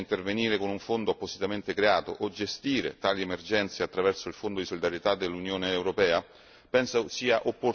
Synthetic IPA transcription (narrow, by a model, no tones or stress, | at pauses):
int̪erveniːɾekonuɱfond̪oapːosit̪ament̪ekɾeaːt̪o̰ʔod͡ʒest̪iːɾḛt̪aːliemerd͡ʒɛnt̪seat̪ːɾavɛrsoilfond̪od̪isolid̪aɾjet̪ad̪ːelːunjoːneːwɾopɛːa | pɛnsasiːaʔopːor